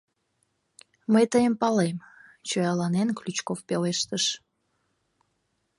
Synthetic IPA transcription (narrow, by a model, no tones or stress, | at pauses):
məjt̪əjəmpɑlemt͡ɕojɑlɑnenklʲyt͡ɕkofpeleʃt̪əʃ